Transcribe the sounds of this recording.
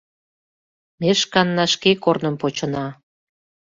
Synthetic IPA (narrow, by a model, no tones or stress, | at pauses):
meʃkɑnːɑʃkekornə̆mpot͡ɕə̆nɑ